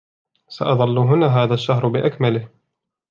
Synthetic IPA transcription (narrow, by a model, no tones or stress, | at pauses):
sa̰ʔɑðˤɑlːʊɦʊnaːɦaːðaʃːaɦɾˤbɪʔakmalɪh